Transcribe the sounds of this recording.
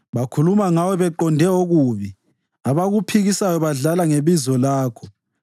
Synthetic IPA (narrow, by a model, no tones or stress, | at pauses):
βakʰulumaŋawɔβɛǃɔndʱɛoɣuβi | aβaɣupʰiɣisajɔβaɮalaŋeβizɔlaːkʰɔ